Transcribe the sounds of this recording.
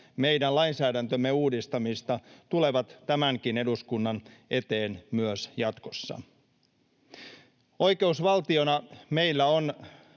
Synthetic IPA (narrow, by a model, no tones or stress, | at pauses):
me̞jdænlɑinsæːdænt̪ømːe̞uːdist̪ɑmist̪ɑt̪ule̞ʋɑt̪ːæmæŋkine̞duskunːɑnʔe̞t̪eːnmyøsjɑt̪ko̞sːɑ̰ | o̞jke̞usʋɑlt̪io̞nɑme̞jlːæo̞n